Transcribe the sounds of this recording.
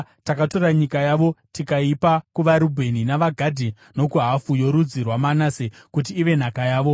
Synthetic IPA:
takato̞raɲikajaʋo̞tikaipakuʋaɾubʱe̞ninaʋaɡʱadʱi | no̞kuɦafujo̞ɾud͡zirwamanase | kut̬iːʋe̞n̤akajaːʋo̞

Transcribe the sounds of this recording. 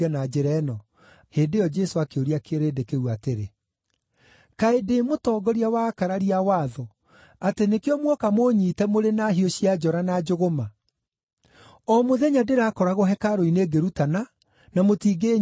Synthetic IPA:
ɛnad͡ʒeɾɛnɔ | heːndeɔd͡ʒɛsoakeoɾiakeɾeːdekeɣuateɾe | kaedemotɔːɡɔɾiawakaɾaɾiawaːðɔ | atenekeɔmwɔkamoɲiːtɛmoɾenaɦioɕiad͡ʒɔɾanad͡ʒoɣoma | ɔmoðɛɲadeɾaːkɔɾaɣɔɦɛkaɾoineːɡeɾutana | namotiːɡe

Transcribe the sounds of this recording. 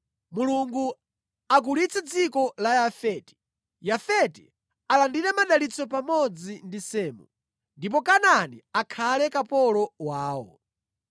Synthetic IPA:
muluŋɡu | ak̬ulit͡sɛd͡zikɔlajafɛti̥ | jafɛtḭ | alandiɾɛmaɗalit͡sɔpamɔd͡zindisɛːmṵ | ndip̬ɔkananiakʰalɛkapɔlɔwaːwɔ̰

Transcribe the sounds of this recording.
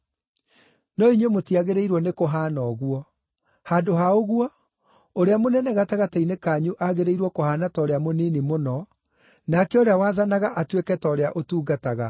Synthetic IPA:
nɔiɲwemotiaɣeɾeiɾwɔnekoɦaːnɔɣwɔ | haːdoɦaoɣwɔ | oɾeamonɛnɛɣataɣatainekaɲuʔaɣeɾeiɾwɔkohaːnatɔːɾeamonenimonɔ | nakɛoɾeawaːðanaɣaʔatwekɛtɔɾeaʔotuːɡataɣa

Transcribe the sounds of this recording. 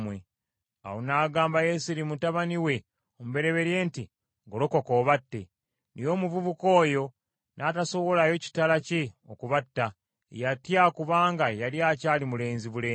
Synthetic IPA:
mwe | a̰wonaːɡaːmbajesiɾimutaβaniwe̞ | omuβe̞ɾe̞βe̞ɾje̞ːnti | ŋɡoloko̞ko̞ːβatːe̞ | nʔijo̞ːmuvuβuko̞ːjo̞ | nʔataso̞βo̞lajo̞ci̥talaceokuβatːa | ḛjatjakuβaːŋɡajaliaːcaːlimule̞ːnziβuleː

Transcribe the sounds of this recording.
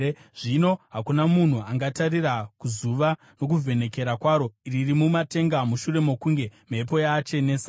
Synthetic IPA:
ʐino̞ɦakunamun̤uaŋɡatarirakuzuʋa | no̞k̬uve̞ne̞ke̞ɾakwaːɾo̞iririmumate̞ŋɡamuʃure̞mo̞kuŋɡe̞mepo̞jat͡ʃe̞nes

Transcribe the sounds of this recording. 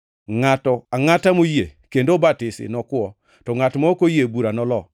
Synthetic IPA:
ŋatɔaŋatamojekendobatɪsɪ̰nɔkwɔ | tɔŋatmɔokojebuɾanɔlɔ

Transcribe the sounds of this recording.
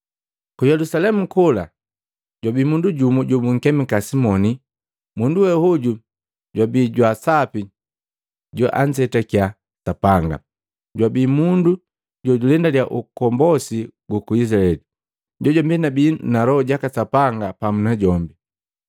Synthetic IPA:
kujɛlusalɛmukɔla̰ | ɟwabiːmunduɟumuɟɔmuŋ̩kɛmikasimɔni | munduwɛhuɟu | ɟwabiːɟwasapi | ɟɔʔa̰nsɛtakia | sapaŋɡa̰ | ɟwabiːmundu | ɟɔɟulɛndaljaʔukɔmbɔsiɡukuisɾaɛli | ɟɔɟɔmbinabiːnalɔɔɟakasapaŋɡapamunaɟɔmbi

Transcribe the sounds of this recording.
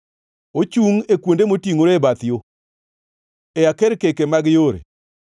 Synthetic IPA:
ot͡ʃuŋekwondemotiŋoɾebat̪ɪjo | ejakɛɾkekemaɡjoɾḛ

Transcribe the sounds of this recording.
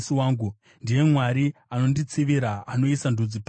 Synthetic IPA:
siwaːŋɡu | ndije̞mwaɾiano̞ndit͡siʋiɾaːno̞isandʱud͡zip

